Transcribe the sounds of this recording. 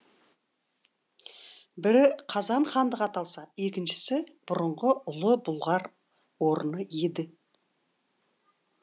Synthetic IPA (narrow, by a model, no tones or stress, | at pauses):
bɪɾɪqʰɑzɑɴχɑnd̪əqɑt̪ɑlˠsɑe̞kʲɪnʃɪ̥sɪb̥ʊɾəɴʁəʊlˠəbʊlˠʁɑɾ | woɾənəje̞d̪ɪ